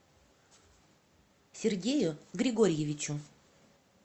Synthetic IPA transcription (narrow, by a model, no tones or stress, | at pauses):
sʲerɡʲejuɡɾʲiɡoɾʲjevʲit͡ɕu